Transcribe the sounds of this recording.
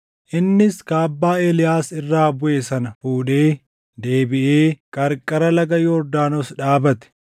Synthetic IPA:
ʔɪnːɪskaːbːaːeːlɪjaːsɪrːaːbʊʔe̞ːsɐnɐfuːᶑe̞ː | d̪e̞ːbɪʔe̞ːkʼɐɾkʼɐɾɐlɐɡɐjɔːɾd̪aːnoːsᶑaːbɐt̪ɛ̥

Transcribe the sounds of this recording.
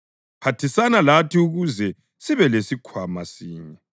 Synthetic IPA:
pʰatʰisanalatiuɣuzɛ | siβɛlesikʰwamasiːɲɛ

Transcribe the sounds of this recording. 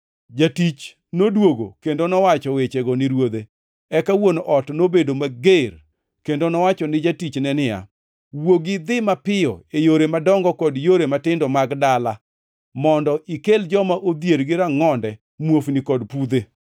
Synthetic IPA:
d͡ʒatit͡ʃ | nodwoɡo̰kendonɔwat͡ʃɔwet͡ʃeɡɔnɪɾwod̪e | ɛkawonʔɔtnobedomaɡer | kendonɔwat͡ʃɔnɪd͡ʒatit͡ʃnɛnɪja̰ | woɡɪd̪ɪmapɪjɔ̰ejoɾemadɔŋɡɔkɔdjoɾematɪndɔmaɡdala | mɔndɔʔikeld͡ʒɔmaʔod̪jeɾɡɪɾaŋɔndɛ | mwofnɪkɔdpud̪e

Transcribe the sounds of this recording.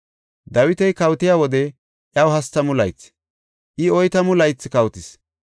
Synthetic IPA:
d̪ɐwɪt̪ɛjkɐwt̪ɪjaːwɔd̪ɛ | ʔjɐwɦɐst̪ːɐmʊlɐjt͡sː | ʔɪɔjt̪ɐmʊlɐjt͡sːɪkɐwt̪ɪs

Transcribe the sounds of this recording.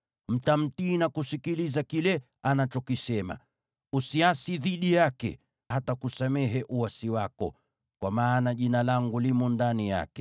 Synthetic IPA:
m̩tam̩tiːnakusikilizakilɛ | anat͡ʃɔkisɛma̰ | usiasiðiɗijakɛ̰ | hatakusamɛɦɛʔuasiwakɔ̰ | kwamaːnaʄinalaŋɡulimɔndanija̰kɛ̥

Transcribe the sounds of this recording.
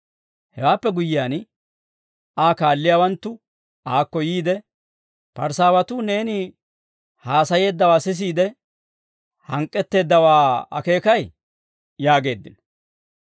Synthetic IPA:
hɛwaːpːɛɡʊjːɪaːn | aːkaːlːɪjaːwɐnt̪ːʊ | aːkːɔjiːd̪ɛ | pɐɾsaːwɐt̪ʊne̞ːnɪ | haːsɐje̞ːd̪ːɐwaːsɪs̬iːd̪ɛ | hɐŋkʼːɛt̪ːe̞ːd̪ːɐwaːɐ̰ke̞ːkɐj | jaːɡe̞ːd̪ːɪnɔ

